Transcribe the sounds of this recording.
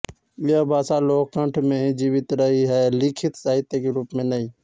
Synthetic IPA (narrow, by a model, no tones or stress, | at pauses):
ijabʱaːsaːloːkːə̃ɳʈʰmẽd͡ʒiːʋɪt̪ɾəɦiɦaeliːkʰɪt̪saːɦɪt̪ekeɾuːpmẽːnəɦĩː